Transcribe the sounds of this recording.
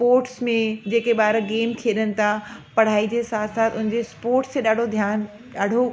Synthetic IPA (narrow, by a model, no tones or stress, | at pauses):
spoːɾʈsmẽd͡ʑeːkeɓaːɾəɡeːmt̪ʰieɗənɪ̆t̪ʰapɐɽ̤aːid͡ʑesaːt̪ʰsaːt̪ʰʊnɪ̃ɲd͡ʑespoːɾʈst̪ẽɗaːɖʱod̪ʱjaːn | ɗaːɖʱo